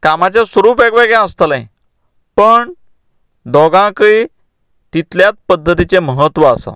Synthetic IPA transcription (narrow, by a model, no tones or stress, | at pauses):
kamat͡ɕjasʋəɾuːpʋɛɡʋeɡjãəst̪əlã | pəɳ | d̪ʱɔɡãki | t̪it̪ljat͡spəd̪ʱːət̪it͡seməɦət̪ʋəasa̰